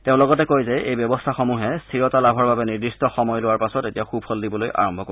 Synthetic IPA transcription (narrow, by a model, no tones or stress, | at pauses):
teʊ̃lɔɡɔtɛkojzɛejbjɔbɔstʰaxɔmuɦɛstʰiɹɔtalabʱɔɹbabɛniɹdistɔxɔmɔjlʊwaɹpasɔtetijaxubʱhɔldibɔlojʔa̰ɹɔmbʱɔko